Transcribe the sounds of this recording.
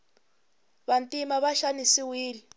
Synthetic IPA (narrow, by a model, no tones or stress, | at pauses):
βantʼimaβaʃanisiwiːli